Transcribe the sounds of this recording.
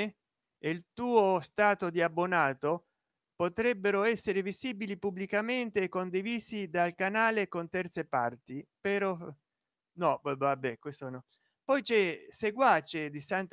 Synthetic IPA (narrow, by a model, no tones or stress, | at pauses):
elt̪uːost̪aːt̪od̪iabːonaːt̪o | pot̪ɾɛbːeɾoɛsːeɾeviziːbilipubːlikament̪ekond̪iviːsid̪alkanaːlekont̪ɛrt̪sepa̰rt̪ipeɾɔ | nɔbabɛkwest̪onɔ | pɔjt͡ʃɛseɡwat͡ʃed̪isant̪